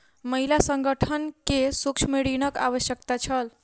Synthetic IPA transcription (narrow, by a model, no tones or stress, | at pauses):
məɦilasəŋɡəʈʰənkesukt͡ʃʰmeɽinəka̰ʋəsjək̚t̪at͡ʃʰəl